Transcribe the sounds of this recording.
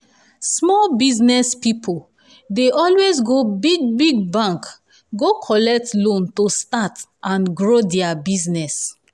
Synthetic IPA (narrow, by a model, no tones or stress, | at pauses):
smɔlbiznɛspipʰol | deʔɔlwezɡobiɡ̚biɡ̚bãŋk | ɡokʰɔlɛk̚tlõntostatʔãnɡɹodɛabiznɛs